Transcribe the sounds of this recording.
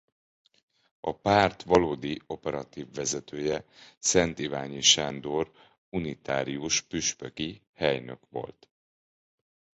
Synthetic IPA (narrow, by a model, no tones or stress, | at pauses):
ɒpaːrt̪ʋɒloːd̪io̞pɛɾɒt̪iːvːɛzɛt̪øːjɛsɛnt̪ivaːɲiʃand̪or | unit̪aːɾiuʃpyʃpøki | hɛjnø̞̰kʋo̞̰lt̪